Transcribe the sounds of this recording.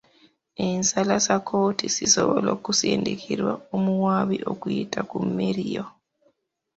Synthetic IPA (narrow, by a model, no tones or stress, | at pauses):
ensalasakʰoːtisisoβolokuseːndekʰiɾwaomuwaːβiʔo̞kujitʰakumːeɾijo